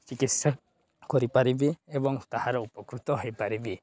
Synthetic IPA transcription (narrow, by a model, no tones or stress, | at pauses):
t͡ʃikitsa | kɔɾipaɾibiebɔŋt̪ahaɾɛupɔkɾut̪ɔɦojpaɾibi